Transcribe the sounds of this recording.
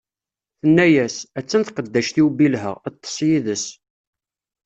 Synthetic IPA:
θənːæjæsæt͡sːənt̪qəd̪ːæʃt̪iwbilɦə̰ʁət̪ˤːə̥sˤjiðəs

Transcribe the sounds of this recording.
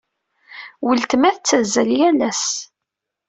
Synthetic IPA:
wəlt̪mæθt͡sːæzːæljælæs

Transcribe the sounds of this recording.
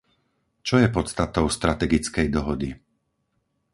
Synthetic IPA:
t͡ʃɔjɛpɔt̪st̪at̪ɔʊst̪ɾat̪ɛɡit͡skɛjd̪ɔɦɔd̪i

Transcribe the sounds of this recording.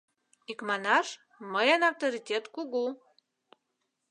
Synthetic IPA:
ikmɑnɑʃ | məjanaft̪oɾitʲet̪kuɣu

